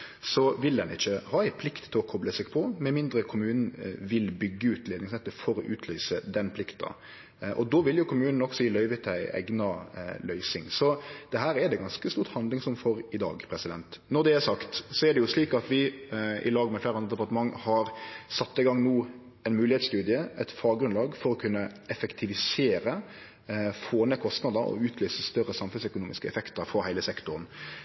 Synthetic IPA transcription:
sɔʋɪld̪ɛnɪçːəhɑːæɪpʰlɪkt̪ʰːɪlɔkʰɔbləsɛɡpʰɔmɛmɪnd̪ɾəkʰʊmʉːnn̩ʋɪlbʏɡːəʉːt̪leːd̪nɪŋsɛt̪ːəfɔɾɔʔʉːt̪ʰlœːsəd̪ɛnpʰlɪkt̪ɑ̰ | ʔɔd̪oʋɪljʊkʰʊmʉːnn̩ɔɡsɔjɪlœʏʋət̪ʰːæɪʔæ̰ɡnɑlœʏsɪŋsɔd̪̥ɛɦæːɾɛd̪ɛɡɑnskəst̪uːɾt̪hɑnd̪lɪŋsɔmfɔɾɪd̪ɑ̰ːɡpʰɾɛsɪd̪ɛnt̪nɔd̪ɛæɾsɑkt̪sɔɛɖ̪ɛjʊsliːkɑt̪ʋɪɪ̰lɑːɡmɛflæɪɾɑnɾəd̪ɛpɑɾt̪əmɑŋːhɑɾsɑt̪ːɪɡɑŋnuː | ɛnmʉːlɪhɛːt̪st̪ʉːd̪ɪəɛt̪fɑːɡɾʉnlɑːɡfɔɾɔkʰʉnːəɛfɛkt̪ʰɪʋɪseːɾə | foːnəkʰɔst̪nɑd̪əɾɔ̰ʉːt̪ʰløːsəst̪œɾəsɑmfʉsœkʊnuːmɪskəɛ̰fɛkt̪əɾfɔhæɪləsɛkt̪ʊɾən

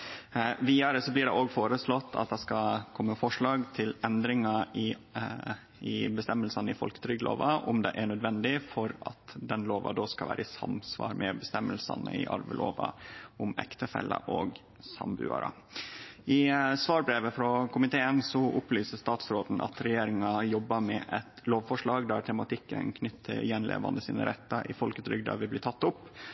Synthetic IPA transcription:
ʋiːɑɾəsɔblɪɖɛ̰ʔoːɡfoːɾəslɔt̪ʰːɑ̰t̪̚d̪ɛskɑkʰɔmːəfɔʂɭɑːɡt̪ʰɪlɛnd̪ɾɪŋɑ | ɪbəst̪ɛmːəlsɑnəɪfɔlkə̥t̪ʰɾʏɡlo̰ːʋɑʔʊmd̪ɛ̰ʔæɳœd̪ʋɛnd̪ɪfɔɾɑt̪d̪ɛnloːʋɑ̰d̪oːskɑʋæ̰ːɾʔəɪsɑ̰msʋɑ̰ːɾmɛbəst̪ɛmːəlsɑ̰nə̰ɪ̰ʔɑ̰ɾʋəlʔoːʋɑʊmɛ̰kt̪əfɛ̰lːə̰ʔoːɡ | sɑmbʉ̰ːɑ̰ɾə | ɪsʋɑːɾbɾeːʋəfɾɔkʰʊmɪt̪ʰeːənsɔʔʊplyːsəst̪ɑːt̪sɾoːd̪n̩ʔɑ̰t̪ɾɛjeːɾɪŋɑjɔbːɑmɛʔɛt̪loːʋfɔʂɭɑːɡd̪æɾt̪ʰɛmɑt̪ɪkːə̰nkʰnʏt̪ʰːəɾjɛnlʔḛːʋɑnd̪əsiːnə̰ɾɛt̪ːɑʔɪfɔlkət̪ʰɾʏɡd̪ɑʋɪblɪːt̪ʰɑt̪ːʊpː

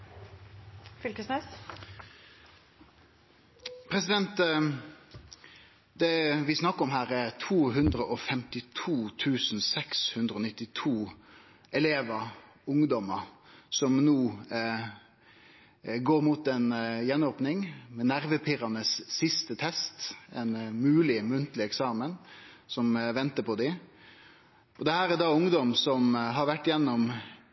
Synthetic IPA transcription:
fʏlkəsnɛs | pʰɾɛsɪd̪ɛnt̪ | d̪̥ɛʋɪsnɑkːəɔmɦæːɾɛɾt̪ʰuːɦʉnd̪ɾəʔɔfɛmt̪ɪt̪ʰuːt̪ʰʉːsnsɛkshʉnd̪ɾəɔːnɪt̪ːɪt̪ʰuː | ɛleːʋə | ʊŋd̪ɔməsɔmnuː | ɡoːɾmut̪ɛnjɛnːoːpnɪŋmɛnæɾʋəpʰɪɾɑnəsːɪst̪ət̪ʰɛst̪ɛnmʉːlɪmʉnt̪lɪɛksɑːmən | sɔmʋɛnt̪əpʰɔd̪ɪ | ʔɔd̪ɛhæːɾæd̪ɑʊŋd̪ɔmsɔmɦɑɾʋæʈːjɛnːɔm

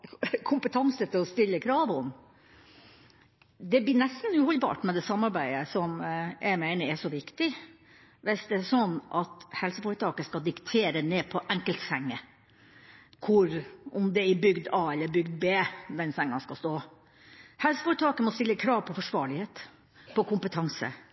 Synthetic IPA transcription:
kʰʊmpət̪ʰɑnsət̪ʰɪlɔst̪ɪlːəkʰɾɑːʋɔm | d̪ɛb̪ɪnɛst̪n̩ʉːhɔlbɑ̰ːʈmɛd̪ɛsɑmːɑɾbæɪəsɔmjʔæɪmæɪnəɛʂɔʋɪkt̪ɪ | ʋɪsd̪ɛæsɔnːʔɑt̪hɛlsəfuːɾət̪ʰɑːkəskɑd̪ɪkt̪ʰeːɾəneːpʰɔʔɛŋkəlt̪sɛŋːə | kʰʊɾʔɔmd̪ɛɪbʏɡd̪ɑːɛlːəɾbʏɡd̪beːd̪ɛnsɛŋːɑskɑst̪oː | hɛlsə̥fɔɾət̪ʰɑːkəmɔst̪ɪlːəkʰɾɑːʋpʰɔfɔʂʋɑːɾɭɪheːt̪ | pʰɔkʰʊmpət̪ʰɑŋsə̰

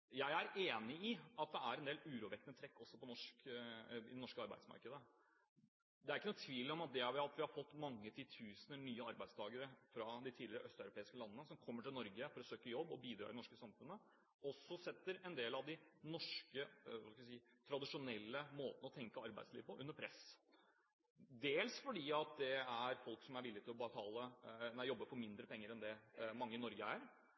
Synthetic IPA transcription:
jæɪæɾeːnɪɪɑt̪̚d̪ɛæɾɛnd̪eːlʉːɾuːʋɛk̪ənət̪ʰɾɛkːɔsːɔpɔnɔʂkɪ̰d̪ɛnɔʂkəɑɾbæ̰ɪsmɑ̰ɾkəd̪ə | d̪ɛæɾɪkːənuːt̪ʰʋiːlɔmɑt̪̚d̪ɛʋɪɑt̪ʋɪhɑɾfɔt̪ːmɑŋːət̪ʰɪt̪ʰʉːsənənyːəɑɾbæɪst̪ʰɑːɡəɾəfɾɑd̪ɪt̪ʰiːlɪɾəʔœst̪œʉɾʊpʰeːɪskəlɑnənəsɔmkʰɔmːəʈɪlnɔɾɡəfɔɾɔsøːkəjɔbːɔ̰biːd̪ɾɑ̰ɾd̪ɛnɔʂkəsɑmfʉnːə | ɔsːɔsɛt̪ːəɾɛnd̪eːlɑʋd̪ɪnɔʂkəʋɑskʋsiːt̪ʰɾɑd̪ɪʂʊnɛlːəmoːt̪nəɔt̪ʰɛŋkəɑɾbæ̰ɪd̪slḭːʋəpʰɔʔʉnːəpʰɾɛs | d̪eːlsfɔɖiːɑt̪̚d̪ɛæɾfɔlksɔmæɾʋɪlːɪt̪ʰɪlɔbət̪ʰɑːlənæɪjɔbːəfɔɾmɪnd̪ɾəpʰɛŋːəɾɛnd̪ɛmɑŋːəɪnɔɾɡəæɾ

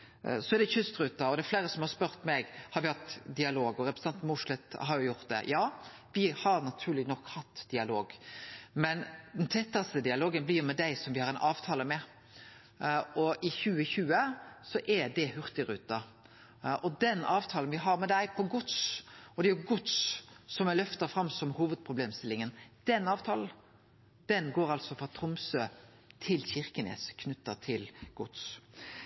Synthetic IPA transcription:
sɔɛɾd̪ɛçʏst̪ɾʉːt̪ɑɔd̪æflæɪɾəsɔmhɑɾspœɾt̪mɛɡhɑɾʋɪhɑt̪ːd̪ɪɑloːɡɔɾɛpɾs̩ɑnt̪mʊʂlɛt̪ɦɑɾjʊjʊɾt̪̚d̪ɛ̰jɑː | ʋɪhɑɾnɑt̪ʰʉːɾlɪnɔkhɑt̪ːd̪̥ɪɑloːɡmɛnd̪ɛnt̪ʰɛt̪ːɑst̪əd̪ɪɑloːɡənblɪɾjʊmɛd̪æɪsɔmʋɪhɑɾɛnʔɑːʋt̪ʰɑːləmɛ | ɔʔɪçʉːəçʉːəsɔʔɛd̪ɛhʉʁt̪ɪɾʉ̰ːt̪ɑ | ʔɔd̪ɛnɑːʋt̪ʰɑːlənʋɪɦɑɾmɛd̪æɪpʰɔɡʊt̪sɔd̪ɛæjʊɡʊt̪sːɔmæɪlœft̪ɑɾfɾɑmsɔmhuːʋəd̪̚pʰʁʊbleːmst̪ɪlɪŋənd̪̥ɛnɑːʋt̪ʰɑːln̩ | d̪̥ɛnɡoːɾɑlsɔfʁɑt̪ʰɾʊmsøː | t̪ʰɪlçɪʁkənɛ̰ːskʰnʉt̪ːɑt̪ʰɪlɡ̥ʊ̰t̪s

